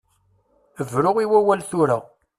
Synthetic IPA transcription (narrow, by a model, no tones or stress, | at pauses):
əvɾʊʁiwæwælθuɾæʁ